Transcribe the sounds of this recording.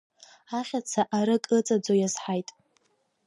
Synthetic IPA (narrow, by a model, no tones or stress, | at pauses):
aχʲat͡sʰaʔaɾɨkʼɨt͡sʼad͡zojazħajtʼ